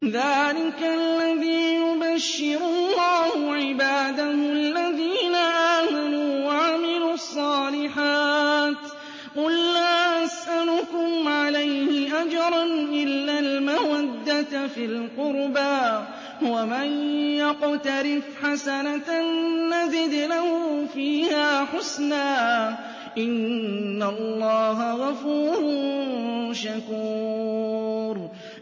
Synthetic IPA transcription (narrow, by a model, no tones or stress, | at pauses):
ðaːlɪkaalːaðiːjʊbaʃːɪɾʊllːɑːhʊʕɪbaːd̪ahʊalːaðiːnaʔaːmanuːwaʕamɪluɑsˤːɑːlɪħaːt̪ | qʊlːaːʔasʔalʊkʊmʕalajhɪʔad͡ʒɑɾˤɑnʔɪlːalmawad̪ːat̪fɪlqʊɾbaː | hʊwamanjɑqʊt̪aɾɪfħasanat̪nːazɪd̪lahʊfiːhaːħʊsnaː | ʔɪnːalˤːɑːɦaɣafuːɾʊ | ʃakuː | ɾ